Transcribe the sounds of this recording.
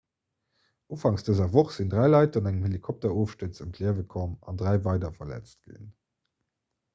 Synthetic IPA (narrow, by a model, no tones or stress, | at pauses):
ʔuːfɑŋsd̥əzɐvoχz̥indʁæɪlɑɪtɑnæŋəmhelikʰɔp̚tɐoːfʃtət͡səmtʰliəvəkʰɔmɑ̰ndʁæɪvɑɪdɐfɐlæ̰t͡st̚ɡ̥ḭn